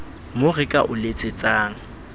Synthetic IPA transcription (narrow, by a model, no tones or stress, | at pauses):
mʊrɪkʼaʔʊlet͡sʼɪt͡sʼaːŋ̩